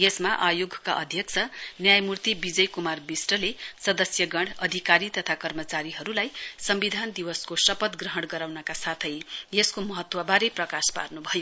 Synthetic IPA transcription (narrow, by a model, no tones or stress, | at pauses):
jesmaʔajoɡʱka̰ʔʌ̰d̪ʱjʌkt͡sʰʌnjajmurt̪ibid͡zʌjkumarbisʈʌlesʌd̪ʌsjʌɡʌɽʌd̪ʱikaɾit̪ʌt̪ʰakʌrmʌt͡saɾiɦʌɾulajsʌmbid̪ʱand̪iwʌskosʌpʌt̪ɡrʌɦʌɽɡʌɾawnʌkasat̪ʰʌjjeskomʌɦʌt̪wʌbaɾejprʌkaspa̰rnubʱʌjo